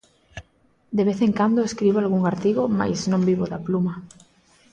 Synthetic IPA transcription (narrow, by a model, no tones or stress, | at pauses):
d̪eβ̞eθeŋkand̪oeskɾiβoalɣuŋaɾt̪iɣoma̰jznõmbiβoðapluma